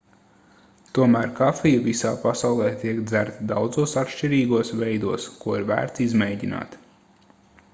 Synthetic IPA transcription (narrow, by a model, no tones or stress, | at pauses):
t̪uɔmæːɾkafijuvisaːpasawlˠɛːt̪iɛkd̪zæɾt̪d̪awd̪zuɔsat̪ʃt͡ʃiɾiːɡuɔsvɛjd̪uɔskuɔiɾvæ̰ːɾt̪sizmɛjɟina̰ːt̪